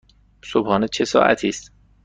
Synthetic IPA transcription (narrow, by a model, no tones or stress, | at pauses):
sobhɒːnet͡ʃʰe̞sɒ̰ːʔæ̰t̪ʰiːst̪